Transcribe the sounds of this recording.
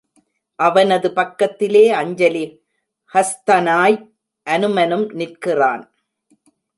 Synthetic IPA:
ʔɐʋɐnɐðɯpɐkːɐt̪ːɪleːɐɲd͡ʒɐli | hɐst̪ɐnaːj | ʔɐnɯmɐnɯmnɪrkɪraːn

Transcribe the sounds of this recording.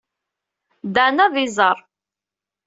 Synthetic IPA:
d̪anæðizˤəɾˤ

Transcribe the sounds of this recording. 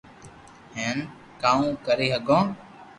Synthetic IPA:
hẽːm | kaːũːkəɾeːɦəɠõː

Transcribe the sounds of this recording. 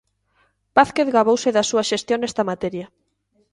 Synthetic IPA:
paθkeθɣaβowsɪðasuɐʃest̪joŋnest̪ɐmat̪ɛɾjɐ

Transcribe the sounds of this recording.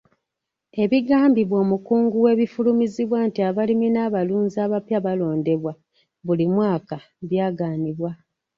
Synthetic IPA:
e̞βiɡaːmbiβwo̞ːmukuːŋɡuwe̞ːβifulumiziβwantiaβaliminaːβaluːnzaːβapjaβalo̞ːnde̞βwa | βulimwaːka | βjaːɡaːniβwa

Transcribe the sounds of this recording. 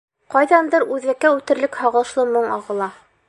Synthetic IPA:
qɑjðɑnd̪ɤɾʉðɘ̆kːæʉt̪ɘ̆ɾlɘkhɑʁɤ̆lˠʃlˠɤmɤɴɑʁɤ̆lˠɑ

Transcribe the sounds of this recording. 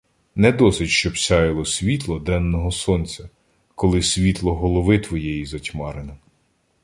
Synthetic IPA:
nɛd̪ɔsɪtʲʃt͡ʃɔbsʲɑjɪlˠɔsʲʋʲit̪lˠɔd̪ɛnːɔɦɔsɔnʲt͡sʲɐ | kɔlˠɪsʲʋʲit̪lˠɔɦɔlˠɔʋɪt̪ʋɔjɛjizɐtʲmɑɾɪnɪ

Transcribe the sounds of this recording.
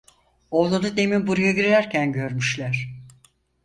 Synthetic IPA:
olˠunud̪e̞mimbuɾujaɡiɾeɾæɾcʰænɟø̞ɾmyʃlʲæɾ̥

